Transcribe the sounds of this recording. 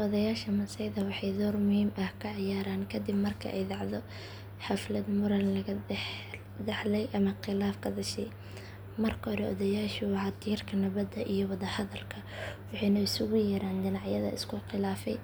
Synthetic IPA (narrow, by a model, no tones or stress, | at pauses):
ʔɔðɐjaːʃɐmɐsɛjðɐwɑħɑjd̪ɔːrmʊhiːmʔɐhkʰɐʕɪjaːɾaːnkʰɐd̪ɪbmɐrkʰɐ̰ʔɛ̰jdɑʕðɔ | ħɑflɐd̪mʊɾɐllɐɣɐ | d̪ɛħlɛjʔɐmɐqɪlaːfkʰɐd̪ɐʃɛj | mɐrkʰɐhɔɾɛʔɔ̰ðɐjaːʃɪwɑħɑt̪ʰiːrkʰɐnɐβɐd̪ɐʔijɔwɑðɐhɐðɐlkʰɐwɑħɑjnɐɪsʊɣʊjɛːɾaːnd̪ɪnɑʕjɐðɐ̰ɪ̰skʰʊqɪlaːfɛj